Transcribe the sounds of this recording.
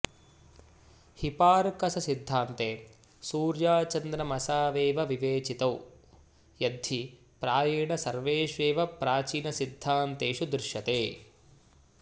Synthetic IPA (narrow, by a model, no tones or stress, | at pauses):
hipaːɾkɐsɐsid̪ʱːaːnt̪eː | suːɾjaːt͡ʃɐnd̪nɐmɐsaːʋeːʋɐʋiʋeːt͡ʃit̪ɐw | jɐd̪ʱːi | pɾaːjɐːɳɐsɐɾʋeːʃʋeːʋɐpɾaːt͡ʃiːnɐsid̪ʱːaːnt̪eːʂud̪ɾɪʃjɐt̪eː